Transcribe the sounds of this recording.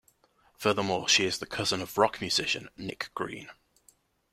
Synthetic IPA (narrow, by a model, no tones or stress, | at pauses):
fɜːðəmɔːʃiɪzðəkʰʌzə̃nəvɹɒkmjʉz̥ɪʃə̰̃nːɪ̰kɡ̥ɹḭ̃ːn